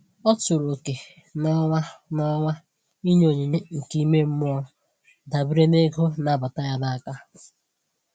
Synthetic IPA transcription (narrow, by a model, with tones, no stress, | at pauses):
ɔ˦tʊ˨ɾo˨ke˨ | nɔ˦a˦nɔ˦ŋʷa˦ | i˦ɲ˦o˨ɲe˨ɲe˦ŋ̩˨ki˦me˦m̩˦mʊ˦ɔ˦ | da˨bi˦ɾe˦ne˦ɡo˦na˨ba˨ta˦ja˦da˦a˨ka˦